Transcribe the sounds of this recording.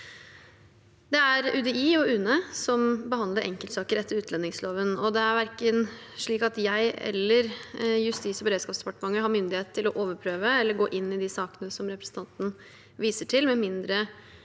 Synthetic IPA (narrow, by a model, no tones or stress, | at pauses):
d̪ɛæɾʉd̪ɛiːɔʉːnəsɔmbəhɑnd̪ləɾʔɛ̰ŋkəlt̪sɑːkəɾɛt̪ːəɾʉːt̪lɛnːɪŋsloːʋənɔd̪ɛæɾʋæɾkən | ʂɭiːkɑt̪jæɪɛ̰lːəɾjʉst̪iːsɔbəɾeːd̪skɑːpsd̪ɛpɑʈəmɑŋːəɾɦɑɾmʏnd̪ɪheːt̪ʰːɪlɔʔoːʋəɾpʰɾøːʋəɛlːəɾɡoːʔɪnːɪd̪ɪsɑːkənəsɔmɾɛpɾə̥sət̪ɑnt̪n̩ | ʋiːsəʈʰɪlmɛmɪnd̪ɾə